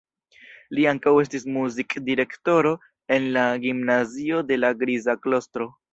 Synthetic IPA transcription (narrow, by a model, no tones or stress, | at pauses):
liaŋkawe̞stismuzikdiɾe̞kto̞ɾo̞ | e̞nlaɡimnazio̞de̞laɡɾizaklo̞stɾo̞